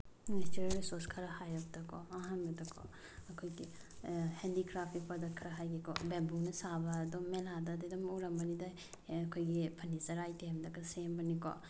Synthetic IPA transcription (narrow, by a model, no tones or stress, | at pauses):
nistiɾeɾisoskʰɐɾɐhajɔk̚dɐkʰɔɐɦanbɐdɐkʰo̰ | ɐkʰojɡihendikɾapʰkipʰɐdɐkʰɐɾɐɦajɡikɔbembuŋnɐsabɐːdɔmeladɐdidɐmuɾɐmbɐnidaː | kʰojɡipʰɐnizɐɾajtemdɐkɐsembɐnikɔ̰